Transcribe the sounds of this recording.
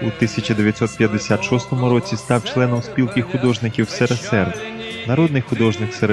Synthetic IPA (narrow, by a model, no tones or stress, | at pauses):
ut̪ɪsʲɐt͡ʃɐd̪eʋjɐt̪sɔt̪̚pʲjɐd̪ːesʲat̪ʃɔst̪ɔmʊɾɔt͡sʲist̪ɑwt͡ʃlˠɛnɔmspʲilˠkɪxxʊd̪ɔʒnɪkʲiwsɛɾesɛr | nɐɾɔd̪nɪjxʊd̪ɔʒnɪkseɾ